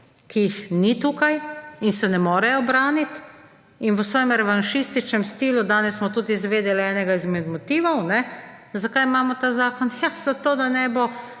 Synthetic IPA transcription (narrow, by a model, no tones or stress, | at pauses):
kijixnit̪uːkajinsɛnɛmɔːɾɛjɔbɾaːnit̪ | inʋəsʋɔːjɛmɾɛʋanʃist̪it͡ʃnɛmst̪iːlud̪aːnɛssmɔt̪ud̪izʋeːd̪ɛlɛːnɛɡaizmɛd̪mɔt̪iːʋɔwnɛzakajmaːmɔt̪aːzaːkɔnjaz̥at̪oːd̪anɛːbɔ